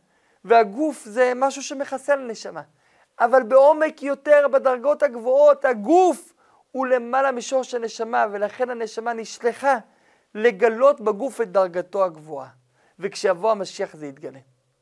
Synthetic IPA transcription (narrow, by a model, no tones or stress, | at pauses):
veaɡufze̞maʃuʃe̞me̞χaselene̞ʃamaː | valbe̞o̞me̞kjo̞te̞ʁbedaʁɡo̞thaɡvo̞o̞thaɡuf | hule̞malamiʃoʁʃelne̞ʃamave̞laχe̞nhane̞ʃamaniʃleχa | le̞ɡalo̞tbeɡufet̚d̪aʁɡato̞aɡvoa̰ | vekʃejavo̞hamaʃiaχzeit̪̚ɡale̞